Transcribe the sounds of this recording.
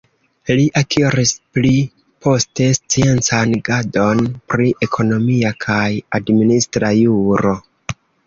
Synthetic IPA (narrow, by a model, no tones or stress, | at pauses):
liʔakʰiɾispli | pʰo̞ste̞st͡sie̞nt͡sanɡado̞npɾiʔe̞kʰo̞no̞miakʰajadministɾajuɾo̞